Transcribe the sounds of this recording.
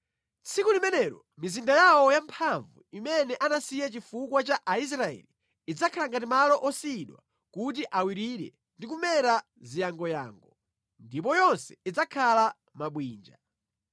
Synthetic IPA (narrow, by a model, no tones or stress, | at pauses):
t͡sʰikulimɛnɛɾɔ̰ | mizindajawɔjampʰaɱvṵimɛnɛʔanasijɛt͡ʃifukwat͡ʃaʔais̬ɾaɛ̰liː | d͡zakʰalaŋɡatimalɔʔɔsiɗwa̰ | kut̬iʔawiɾiɾɛ̰ | ndik̬umɛɾa | zijaŋɡɔja̰ːŋɡɔ | ndip̬ɔjɔnsɛ̥id͡zakʰala | maɓwiːnd͡ʒa